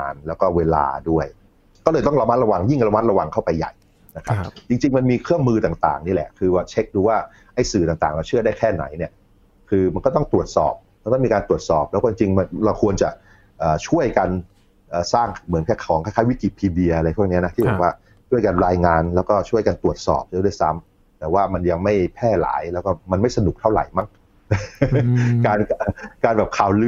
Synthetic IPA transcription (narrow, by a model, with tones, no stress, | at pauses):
aː˧nlɛː˦˥wkɔː˥˩weː˧la̰ː˧du˥˩əj | kɔː˥˩lɤː˧jt̪ɔ˥˩ŋɾa˧ma˦˥t̪̚ɾa˧wa˧ŋji˥˩ŋɾa˧ma˦˥t̪̚ɾa˧wa˧ŋkʰa˥˩wpa˧jːa̰˨˩j | na˦˥kʰa˦˥p̚t͡ɕi˧ŋt͡ɕi˧ŋma˧nmiː˧kʰɯ˥˩əŋmɯː˧t̪aː˨˩ŋt̪a̰ː˨˩ŋniː˦˥˩lɛ̰˨˩ʔkʰɯː˧waː˥˩t͡ɕʰe˦˥k̚duː˧waː˥˩ | ʔa˥˩jsɯː˨˩t̪aː˨˩ŋt̪aː˨˩ŋla˧wt͡ɕʰɯ˥˩daː˥˩jkʰɛː˥˩na̰˨˩˦jni˥˩ə | kʰɯː˧ma˧nkɔ˥˩t̪ɔ˥˩ŋt̪u˨˩ət̪̚sɔ̰ː˨˩p̚ma˧nk̪ɔ˥˩miː˧kaː˧nt̪ɾu˨˩ət̪̚sɔː˨˩p̚lɛː˧˦˥kɔ˥˩t͡ɕi˧ŋt͡ɕi˧ŋma˧nla˧wkʰu˧ənt͡ɕa˨˩ | ʔəː˨˩t͡ɕʰu˥˩əjka˧n | ʔəː˨˩saː˥˩ŋmɯ˩˦nkʰɛː˥˩kʰɔː˩˦ŋkʰaː˥˩kʰaː˦˥jwi˦˥ki˨˩pʰiː˧di˧ɐʔa˧ɾa˧jpʰu˥˩əŋni˦˥ɐna˦˥t̪i˥˩bɛː˨˩k̚waː˥˩ | t͡ɕʰu˥˩əjka˧nɾaː˧jŋaː˧nlɛ˦˥wkɔː˥˩t͡ɕʰu˥˩əjka˧nt̪u˨˩ət̪̚sɔ̰ː˨˩p̚d̪a˧˥˩da˥˩jsa˦˥m | t̪ɛː˨˩waː˥˩ma˧nja˧ŋma˥˩jpʰɛː˥˩la̰ː˩˦jlɛː˦˥wkɔː˥˩ma˧nma˥˩jsa˧nu˨˩k̚t̪ʰa˥˩wɾa̰˩˦jma˥˩ŋ | kaː˧nkaː˧nbɛː˨˩p̚kʰaː˨˩wlɯ˧˦